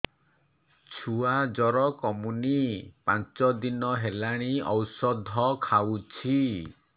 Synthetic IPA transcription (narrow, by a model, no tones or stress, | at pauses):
t͡ʃʰuad͡ʒɔɾɔkɔmunipant͡ʃɔd̪inɔɦelaɽ̃iɔwsɔd̪ʱɔkʰawt͡ʃʰi